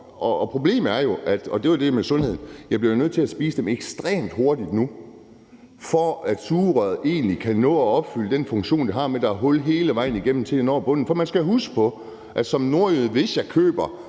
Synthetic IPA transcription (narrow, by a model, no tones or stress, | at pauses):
ʔɒpʰʁo̝b̥le̝̰ːm̩æɐjo̝ʔæd̥ɒd̥e̝jod̥e̝mesɔ̽nhe̝ð̞̰ˠn̩jɑ̈ɪb̥liɐjo̝nøð̰ˠt͡sʰe̝læsb̥iːsəd̥emeɡ̥sd̥ʁɛ̰ːmd̥ho̝ɐdid̥nu | fɒæd̥suːʁɐð̩ˠe̝̰ːnlikʰænɔ̰ːɒɒ̽b̥fyləd̥enfɔ̽ŋɕo̝̰ːnd̥iɦɑ̈med̥ɑ̈ɦɔlɦe̝ːləʋɑ̈ɪ̰n̩iɡ̥em̰mn̩t͡sʰe̝lenɒ̰ːb̥ɔ̽n̰n̩fɒmænsɡ̥æɦusɡ̥ə̥pʰɒ̽ | ʔæ̥sɒ̽mno̝ɐ̰yð̩ˠʋe̝sjɑ̈ɪkʰø̰ːb̥ɐ